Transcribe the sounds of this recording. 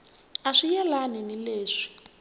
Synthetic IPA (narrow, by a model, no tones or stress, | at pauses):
aʂijɛlaninileːʂi̥